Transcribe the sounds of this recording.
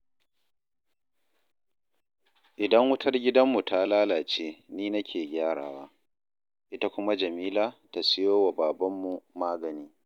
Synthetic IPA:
ʔɪ˨dɐ˦ŋwʊ˦tʰɐ˦rɡʲɪ˦dɐ˦mːu˨ta˦laː˦laː˨t͡ʃeː˦niː˦nɐ˦kʲʰeː˨ɡʲaː˦ɽa̰ː˨waː˦ | ʔɪ˦ta˦kʷʊ˦ma˦d͡ʒɐ˨miː˦laː˦ta˨sɪ˦joː˦wa˨baː˨bɐ˦mːu˨maː˦ɡɐ˨niː˦

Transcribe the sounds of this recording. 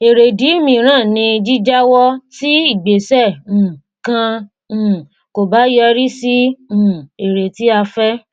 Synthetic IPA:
e˨ɾe˨di˨˦mĩ˧˨ɾ̃ãː˦˨nĩ˧d͡ʒi˦d͡ʒa˦wɔ˦ti˦i˦˨ɡ͡be˨sɛ̃˦˨ | kã˧˨ | ko˨ba˨˦jɔ˧ɾi˦sĩ˦˨ | e˨ɾe˨ti˨˦a˧fɛ˦

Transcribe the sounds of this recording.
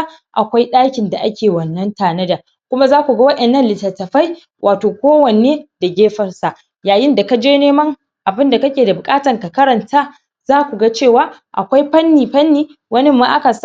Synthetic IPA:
ʔa̰˨kʷa˦jɗaː˦kʲɪ˨nda˨ʔa˦kʲʰeː˨wɐ˨nːɐ˦ntaː˨nɐ˦da˨ | kʷʊ˦ma˦zaː˦kʷu˨ɡa˦wɐ˦ɗɛ˨nːɐ˦nlɪ˨tːɐ˨tːɐ˨ɸa˦j | wʔaː˨toː˨kʷoː˦wɐ˨neː˦da˨ɡʲeː˦ɸɐ˨rsa˨ʔ | jaː˨jɪ˦nda˨ka˦d͡ʒeː˦neː˦mɐ˦ŋ | ʔa˨bɪ˦nda˨kɐ˦kʲeː˨da˨bʊ˨kʼaː˦tɐ˨ŋka˨kɐ˦ɾɐ˨ntʰaː˦ | zaː˦kʷu˨ɡa˦t͡ʃeː˦˨waː˦ | ʔa̰˨kʷa˦jɸɐ˦nːiː˨ɸɐ˦nːiː˦ | wɐ˦nɪ˦mːa˦˨ʔa˦ka˨s

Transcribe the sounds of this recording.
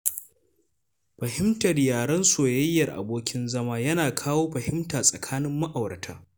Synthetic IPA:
ɸɐ˨hɪ˦mtɐ˨rjaː˨ɽɐ˦nsoː˨jɐ˦jːɐ˨rʔa̰˨boː˦kʲɪ˦nzɐ˦maː˦jɐ˦naː˨kʰaː˦woː˦ɸɐ˨hɪ˦mtaː˨sʼɐ˨kʰaː˦nɪ˦mːɐ˦ʔa˨wɾɐ˨tʰa̰ː˦

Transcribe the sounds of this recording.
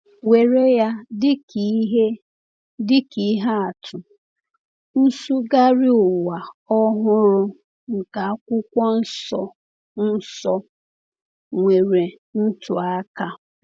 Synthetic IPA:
we˨ɾe˦ja˦dɪ˦kɦe˦ | dɪ˦ki˨˦ɦa˦a˨tʰʊ˨ | n̩˦su˦ɡa˦ɾɪ˦ʊ˨wa˨ɔ˦ɦʊ˦ɾʊ˦ | ŋ̩˨ka˨a˦kʷʊ˦kʷɔ˦n̩˦sɔ˨ | n̩˦sɔ˦ | ŋʷe˨ɾe˨ | n̩˦tʊ˨a˦ka˦

